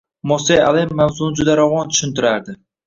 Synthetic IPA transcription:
mɔsea̰lˠemːawzund͡ʒʊd̪aɾɒwɒnt̪ʰʊ̥ʃɪnt̪ɪɾaɾd̪ɪ

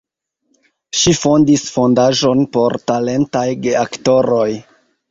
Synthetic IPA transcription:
ʃifo̞ndisfo̞ndaʒo̞npo̞ɾtale̞ntajɡeakto̞ɾo̞j

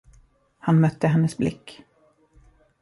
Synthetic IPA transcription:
hanmœt̪ːəɦɛnːəsblɪ̰kː

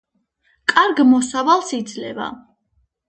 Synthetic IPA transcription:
kʼaɾɡmɔsavalˠsid̪zlɛva̰

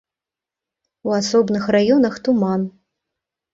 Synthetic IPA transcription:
uasɔbnɨxrajɔnɐxt̪uman

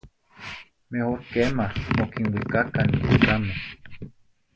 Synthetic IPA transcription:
mehokemahmokinwikakanikikamo

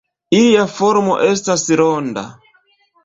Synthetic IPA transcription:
ijafɔɾmɔ̰ʔɛstasiɾɔnda̰

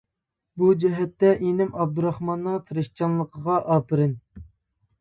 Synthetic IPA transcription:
bud͡ʒɛɦɛt̪ːɛʔenɪmɑb̚d̪uɾɑχmɑnːət̪ʰɨɾɨʃt͡ʃʰɑnlˠəqʰəʁɑʔɑːpʰɨɾɪn

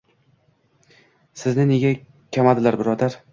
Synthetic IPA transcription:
sɪznɪne̞ɡʲa | kʲʰamad̪ɪlaɾbɪɾɒd̪aɾ

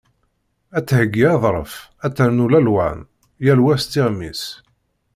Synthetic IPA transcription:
æt͡sːhəɡːiɑðˤɾˤə̰fæt͡sːəɾnulælwæ̰n | jælwæst̪iʁmḭs

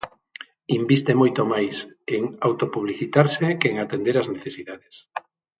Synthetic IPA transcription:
imbist̪emojt̪omajseŋawt̪opuβliθit̪aɾsekeŋat̪end̪eɾazneθesiðaðes

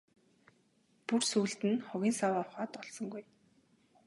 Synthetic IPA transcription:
pursuːɮt̪ɘ̆nχʊɣʲiːnsawaːʊχaːt̪ɔɮsɞ̆ŋɡuj

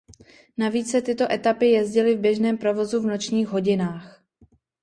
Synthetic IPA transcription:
naviːt͡ssɛt̪ɪt̪o̞ʔɛt̪apɪjɛzɟɪlɪvbjɛʒnɛːmpɾo̞vo̞zuvnot͡ʃɲiːxɦo̞ɟɪnaːx

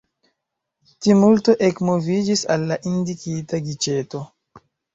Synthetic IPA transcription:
timulto̞ʔekmo̞vid͡ʒisa̰lːaʔindikitaɡit͡ʃe̞to̞

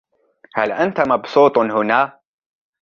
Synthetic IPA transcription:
halʔant̪amɑbsˤuːt̪ˤhʊnaː

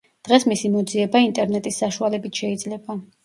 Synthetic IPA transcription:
d̪̥ʁɛsmisimɔd̪ziɛbaint̪ʼɛɾnɛt̪ʼisːaʃualɛbit̪ʰʃɛid̪zlɛba

